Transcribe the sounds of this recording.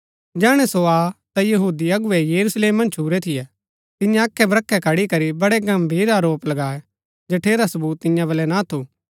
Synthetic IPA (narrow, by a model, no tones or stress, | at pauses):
d͡ʒɛːɽ̃ɛsoaːt̪ajɐɦuːd̪iɐɡʊʋɛjɐɾusleːmːɐ̃nt͡ʃʰuːɾɛt̪ʰɪjɛ | t̪ɪjãɐkʰːɛbɾɐkʰːɛkʰɐɽikɐɾibɐɽɛɡɐmbʱiːɾaɾoːplɐɡaːɛ | d͡ʒɐʈʰeːɾasɐbuːt̪ːɪ̃jãbɐlɛnat̪ʰuː